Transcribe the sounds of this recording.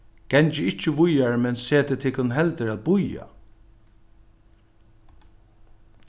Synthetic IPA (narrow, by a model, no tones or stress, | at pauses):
ɡ̥ɛɲt͡ʃɪɪt͡ʃːɪʋʊjaɹmɛnseːt̪ɪt̪ʰɪkːʊnɦɛlt̪əɹæːt̪̚bʊja̰